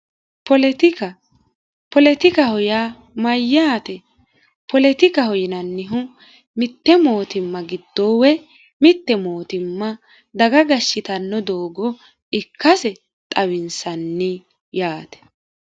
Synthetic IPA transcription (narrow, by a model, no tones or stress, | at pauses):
pɔt̪ | pɔlɛt̪ɪkɐhɔja | mɐjːaːt̪ɛ | pɔlɛt̪ɪkɐhɔjɪnɐnːɪɦʊ | mɪt̪ːɛmo̞ːt̪ɪmːɐɡɪd̪̥ːɔwɛ | mɪt̪ːɛmo̞ːt̪ɪmːɐ | d̪ɐɡɐɡɐʃːɪt̪ɐnːɔd̪oːɡɔ | ɪkːɐsɛ | t̪ʼɐwɪnsɐnːɪ | jaːt̪ɛ̥